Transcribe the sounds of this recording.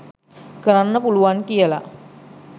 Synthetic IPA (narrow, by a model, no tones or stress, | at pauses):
kəɾanːəpuluʋankijəla̰